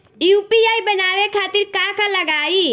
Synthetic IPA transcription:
juːpiaːibənaːʋekʰaːt̪ɪɾkaːkãlɐɡaːiː

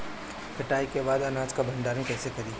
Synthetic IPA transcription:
kʰɐʈaːikebaːd̪ɐnaːd͡ʒkabʱɐ̃nɖ̪aːɾĩkɛːsekɐɾiː

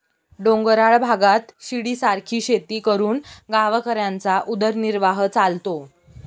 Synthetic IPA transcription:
ɖõŋɡəɾaɭbʱaɡat̪ɕiɽiːsaɾkʰiːɕet̪iːkəɾuːnɡaʋəkəɾjant͡saʔud̪əɾniɾʋaɦt͡salt̪o

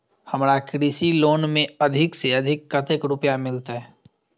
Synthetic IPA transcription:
hɐmɾakɾiːsiloːnmẽɐd̪ʱɪkseɐd̪ʱɪkːɐt̪ekɾʊpjamɪlt̪aɦɛ

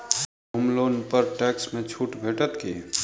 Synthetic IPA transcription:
ɦʊmloːnpəɾʈɛːksmẽt͡ʃʰuːʈbʱeːʈət̪ke

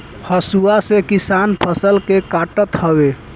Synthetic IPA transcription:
həsuasekisanpʰəsəlkekaʈət̪həbe

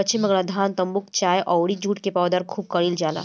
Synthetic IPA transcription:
ɐtːt͡ʃinmɐɡɽad̪ʱaːnt̪ɐmbʊkt͡ʃaːjʔɔːɽid͡ʒuːʈkepaːwd̪aɾkʰuːb̚kɐɽiːld͡ʒaːla̰ː

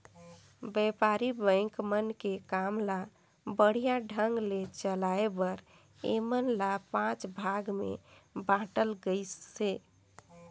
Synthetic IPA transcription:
bɛpaɾibə̃ɪ̃ŋkmənkekamla | bəɽ̤ijaɖʱəŋɡlet͡ʃəlaebəɾ | ḛmənlapãt͡ʃbʱaɡmḛbãʈəlɡəɪsse

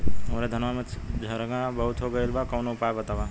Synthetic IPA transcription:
ɦəmɾad̪ʱənʋamet͡ʃʰd͡ʒʱəɾɡãbəɦut̪ɦoɡəjlbakəwnoupabət̪aba

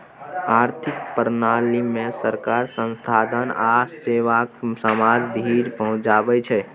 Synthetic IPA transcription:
aɾt̪ʰikpəɾnalimesəɾkaɾsə̃nst̪ʰad̪ənaseʋaksəmad͡ʒd̪ʱiɾpəɦũd͡ʒabɛt͡ʃʰɛ

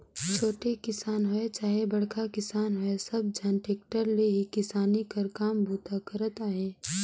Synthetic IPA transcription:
t͡ʃʰoːʈekɪsaːnɦʊet͡ʃaːɦebɐɽ̤kʰakɪsaːnɦʊesɐb̚d͡ʒʱanʈeːkʈəɾleɦikɪsaːnikɐɾkaːmbʱuːt̪akəɾət̪aːɦeː

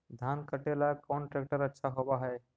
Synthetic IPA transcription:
d̪ʱankəʈelakɔɳʈɾekʈəɾətːʃʰaɦobaɦɛ

